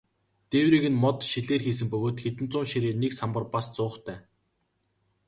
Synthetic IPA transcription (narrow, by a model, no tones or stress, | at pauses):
t̪ewɾiːɣɘ̆nmɔt̪ʃiɮeːrxiːs̬ɘ̆mpɵɣoːt̪xet̪ɘ̆nt͡sʊːnʃiɾiːneksampə̆rpast͡sʊːχt̪ʰæː